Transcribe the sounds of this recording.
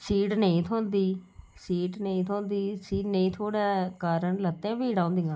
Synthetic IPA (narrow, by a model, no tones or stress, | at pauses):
siːʈnəĩːt̪ʰoːnd̪iː | siːʈnəĩːt̪ʰoːnd̪iːsiːʈnəĩːt̪ʰoːɽɛːkaːɾəɳlət̪ːɛ̃ːbiːɽãːõːnd̪iːãː